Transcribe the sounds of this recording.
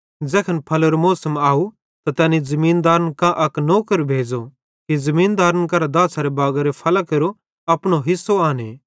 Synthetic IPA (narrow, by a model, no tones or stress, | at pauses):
d͡zɛːkʰənpʰɐloɾomoːsəmaːu | t̪at̪ɛːnizɐmiːnd̪aːɾənkãʔɐknoːkəɾbʱeːd͡ʒo | kizɐmĩːnd̪aːɾənk̬ɐɾad̪aːsʰaɾebaːɡaɾepʰɐlakeɾo | ɐpɽ̃oɦɪsːoaːne